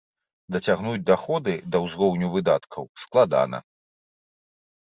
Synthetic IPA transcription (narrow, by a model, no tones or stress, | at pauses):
d̪ɐt͡sʲaɣnud͡zʲd̪axɔd̪ɨd̪ɐwzɣɔwnʲuvɨd̪at̪kʰɐwsklˠad̪a̰nɐ̰